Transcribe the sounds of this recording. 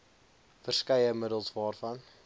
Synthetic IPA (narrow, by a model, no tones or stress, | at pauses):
fərskɛjəmədəlˠsvɑːrfɐn